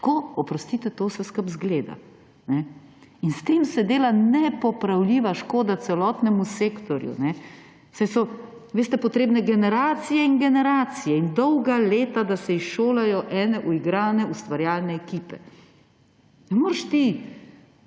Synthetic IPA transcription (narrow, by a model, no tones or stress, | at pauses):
koɔpɾɔst̪it̪ɛt̪oːsɛskɐpzɡleːd̪a̰ | nɛ | inst̪eːmsɛd̪eːlanɛpɔpɾawlʲiːʋaʃkoːd̪at̪sɛlɔːt̪nɛmuseːkt̪ɔɾjṵnɛ | sɛjsɔ | ʋeːst̪ɛpɔt̪ɾeːbnɛɡɛnɛɾaːt̪sijɛinɡɛnɛɾaːt̪sijɛind̪ɔwɡaleːt̪ad̪asɛisʃoːlajɔʔɛːnɛʔuiɡɾaːnɛust̪ʋaɾjaːlnɛːkiːpɛ | nɛmoːɾʃt̪i